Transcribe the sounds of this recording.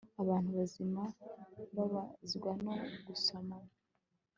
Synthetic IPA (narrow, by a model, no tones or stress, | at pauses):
aβaːn̥uβazimaβaβaziɡwanoɡuso̞ma